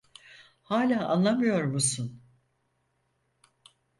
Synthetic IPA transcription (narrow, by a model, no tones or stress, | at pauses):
haːlʲaːʔa̰nlˠamɯjo̞ɾmusun